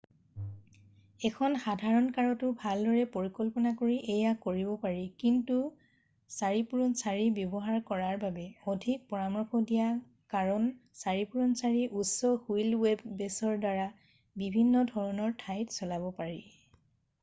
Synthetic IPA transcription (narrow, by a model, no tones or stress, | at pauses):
ɛkʰɔnxadʱaɹɔnkaɹɔtʊbʱaldɔɹɛpoɹikɔlpɔnakoɹiʔejakːoɹibɔpaɹikintu | saɹipuɹɔnsaɹibjɔbɔɦaɹkɔɹaɹbabɛɔdʱik̚pɔɹamɔɹxɔdija | kaɹɔnsaɹipuɹɔnsaɹiʔusɔxujlwebːɛsɔɹdaɹa | bibʱinːɔdʱɔɹɔnɔɹtʰajtsɔlabɔpaɹi